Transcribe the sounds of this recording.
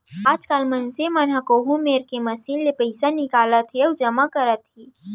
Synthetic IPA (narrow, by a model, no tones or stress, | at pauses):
aːd͡ʒkaːlmɐnsemɐnɦakoːɦũmeːɾkemɐsiːnlepəɪsanɪkaːlat̪eəd͡ʒɐmakɐɾət̪ɦiː